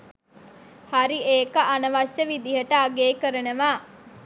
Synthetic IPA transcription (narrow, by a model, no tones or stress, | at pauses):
haɾieːkəʔanəʋaʃːəʋid̪iɦəʈaːɡeːkəɾənəʋaː